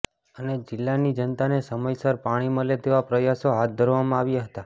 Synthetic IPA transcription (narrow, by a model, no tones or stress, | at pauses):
əned͡ʒɪlːanid͡ʒənt̪anesəməjsəɾpaɽ̃imə̃let̪eʋapɾəjasoɦat̪̚d̪ʱəɾʋamãaʋjaɦət̪a